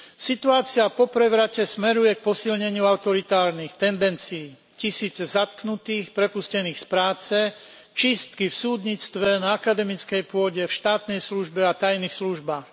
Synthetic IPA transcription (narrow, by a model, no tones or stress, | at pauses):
sit̪uaːt͡siapɔpɾɛʋɾacɛsmɛɾujɛk̚pɔsilɲɛɲɪuaʊt̪ɔɾit̪aːɾnixt̪ɛnd̪ɛnt͡siː | cisiːd͡zzat̪̚knut̪iːxpɾɛpuscɛniːxspɾaːt͡sɛ | t͡ʃist̪kifsuːd̪ɲit͡st̪ʋɛnaːkad̪ɛmit͡skɛjpʊɔɟɛfʃt̪aːt̪nɛjsluʒbɛat̪ajniːxsluʒbaːx